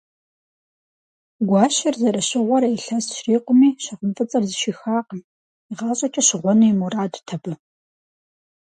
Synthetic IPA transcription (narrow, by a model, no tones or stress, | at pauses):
ɡʷɑːʃɐrzɐrɐɕɪʁʷɔɾɐjɬɐsʃriːqʷʊmiːɕɐʁəmfʼɨt͡sʼɐrzɨʃixaːq | iʁɑːɕʼɐt͡ʃʼɐɕɪʁʷɔnujimuraːdtʰɐbɨ